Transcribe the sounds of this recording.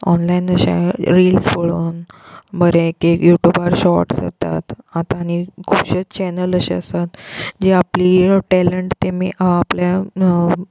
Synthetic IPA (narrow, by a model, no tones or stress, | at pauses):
ɔnlainəɕḛɾilsfoɭoːnbəɾẽkekjuʈjubaɾɕɔɾʈsə̰t̪a̰t̪at̪ãːñikʰupɕet͡st͡ɕɛnələɕeəst̪at̪d͡ʑeapliːʈɛləɳʈt̪emiːʔaplja